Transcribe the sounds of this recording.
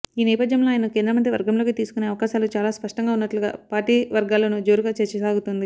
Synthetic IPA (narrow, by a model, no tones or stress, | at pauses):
iːnɛːpɐd̪ʱjɐmlo̞ːaːjɐnɐkeːnd̪ɾɐmɐnd̪jɐʋɐɾɡɐmlo̞ːkit̪iːsu̥kuneːɐʋɐkaːʃaːlut͡ʃaːlaːspɐʂʈɐŋɡaːunːɐʈluɡa̰ːpaːɾʈiːʋɐɾɡaːlɐnud͡ʒo̞ːɾuɡaːt͡ʃeɾt͡ʃɐsaːɡut̪und̪i